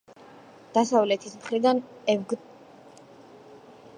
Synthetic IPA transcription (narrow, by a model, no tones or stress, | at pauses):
d̪̥asavlɛt̪ʰismχɾid̪anɛvɡ